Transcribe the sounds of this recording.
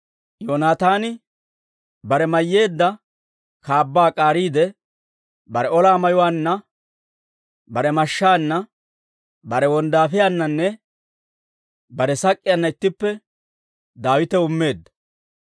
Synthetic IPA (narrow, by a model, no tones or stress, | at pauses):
joːnaːt̪aːnɪ | bɐɾɛmɐjːe̞ːd̪ːɐ | kaːbːaːkʼaːɾiːd̪ɛ | bɐɾɛɔlaːmɐjɔwaːnːɐ | bɐɾɛmɐʃːaːnːɐ | bɐɾɛwɔnd̪aːfɪjanːɐnːɛ | bɐɾɛsɐkʼːɪjanːɐɪt̪ːɪpːɛ | d̪aːwɪt̪ɛʊmːe̞ːd̪ːɐ̥